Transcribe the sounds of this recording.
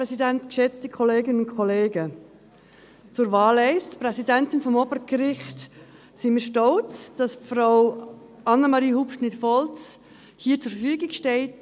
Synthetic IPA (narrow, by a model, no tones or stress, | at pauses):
ɾɛsidɛntkʃɛt͡stəkʰɔleːɡənənʊnkʰɔleːɡə | t͡sʊɾvɑːlɛɪstprɛsidɛntɪnfɔmɔbəɾɡ̥əɾɪχt | sɪmiʃtɔlt͡sd̥ɑsfraʊ | ʔɑnːəmɑɾiːhupʃnɪtfɔlt͡s | hiːət͡sʊɾfəfyəɡɪɡʃtɛlt